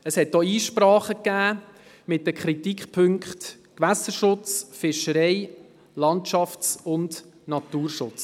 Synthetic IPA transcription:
əshɛt̪oiːʃpɾɑːχəkːæː | mɪt̚dəkʰχɾitikχpʰɵŋkχt | kʋæsəɾʃʊt͡sfɪʃəɾɛɪ | lɑntʃɑft͡sʊnd | nɑt̪uːɾʃʊt͡s

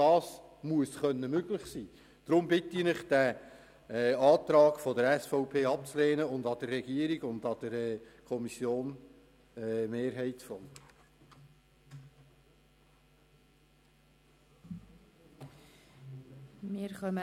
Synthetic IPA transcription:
d̥ɑːsmuəsχœnːəmøɡlɪχsiː | d̥ɾʊmbɪtinɪχd̥æ | ɛːɑːt̪ɾɑːɡfɔdəɾɛsfɔʊpʰeːɑp̚t͡sleːnəʊndɑd̥̪ərːɛɡ̥iəɾiɡʊnd̪ɑd̥əɾɛkʰɔmisjoːn | ɛmeːɾɦɛɪtsfɔn | mɪːɾχœmə

